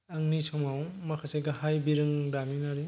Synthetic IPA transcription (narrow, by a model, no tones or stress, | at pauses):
ɐŋnisʰɔmawmakʰaseɡahajbiɾɯŋdaninaɾi